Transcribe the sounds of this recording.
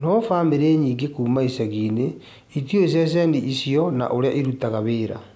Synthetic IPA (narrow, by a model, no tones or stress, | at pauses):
nofaːmeɾeːɲiːŋɡekuːmaisaɣiːne | itjois̬ɛs̬ɛːndiʔisjɔna̰ʔoɾeaʔiɾutaɣaβeːɾa̰